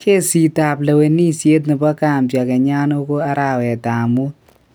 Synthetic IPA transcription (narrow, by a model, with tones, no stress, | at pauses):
kʰe˦si˨ta˨plɐ˨we˨ni˦se˦t̪̚nɨ˨pa˦ka˨mpja˨kɛ˨ɲa˦no˦ko˦a˦ɾa˨wɛ˨ta˨mu˦